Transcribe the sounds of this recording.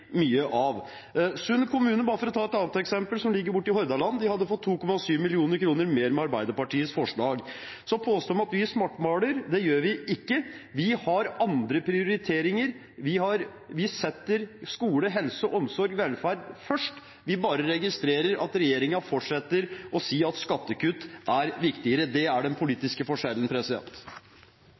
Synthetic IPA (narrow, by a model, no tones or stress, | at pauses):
myːəʔɑʋ | sʉnkʰʊmʉːnənbɑːɾəfɔɾɔt̪ʰɑːɛt̪ɑːnt̪ɛksɛmpəlsɔmlɪɡːəɾbʊʈːɪɦɔɾd̪ɑlɑnːd̪ɪhɑd̪ːəfɔt̪ʰːuːkɔmɑsyːʋmɪlɪuːnəɾkʰɾuːnəɾmeːɾmɛɑɾbæɪd̪əpɑʈiːəsfɔʂɭɑːɡ | sɔpʰoːst̪oːmɑt̪ʋɪæʂmɑʈːmɑːɽəɾd̪ɛjøːɾʋɪɪkːəʋɪhɑɾɑnd̪ɾəpʰɾɪʊɾɪt̪ʰeːɾɪŋəɾ | ʋɪhɑɾ | ʋɪsɛt̪ːəɾskuːləɦɛlsɔʔɔmsɔɾɡʋɛlfæːɾɖfœʂʈ | ʋɪbɑːɾəɾɛɡɪst̪ɾeːɾəɾʔɑ̰t̪ɾɛjeːɾɪŋɑfɔʈʂɛt̪ːəɾɔsiːɑt̪skɑt̪ːəkʉt̪ːʔæɾʋɪkt̪ɪəɾəd̪ɛæɖɛnpʰʊliːt̪ɪskəfɔʂɛlːənpʰɾɛsɪd̪ɛ̰nt̪